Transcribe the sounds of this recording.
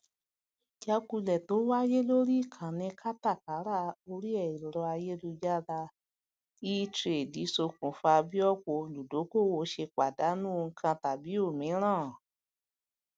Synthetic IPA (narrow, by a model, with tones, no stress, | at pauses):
d͡ʒa˧ku˧lɛ˨to˨˦wa˦je˦lo˦ɾi˦˨kʰã˨nĩ˧kʰa˦ta˦˨ka˨˦ɾa˦˨o˧ɾi˦ɛ˦˨i˨ɾɔ˧a˧je˦lu˧d͡ʒa˦ɾa˧ | i˦tɾe˨di˨˦so˧kũ˨fa˧bi˦ɔ˦ko˧˨˧lu˨do˨˦ko˦˨wo˧˦ʃe˧k͡pa˨da˨˦nũ˦o˧ŋ̩˧kʰã˧ta˨bi˨˦o˦˨mĩ˨˦ɾ̃ã˦˨